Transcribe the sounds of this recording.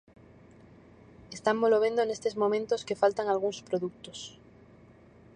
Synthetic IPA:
est̪amboloβe̞nd̪oenest̪ezmõmẽnt̪oskefalt̪aŋalɣ̞uŋspɾoðuk̚t̪os

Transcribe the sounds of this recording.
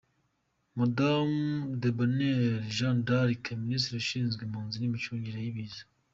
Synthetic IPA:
madamd̪ebaneɾʒãndaɾikeminist̪ɾaʃiːnzɡemuːnzinimit͡ʃuːɲɟiɾajiβiːzḁ

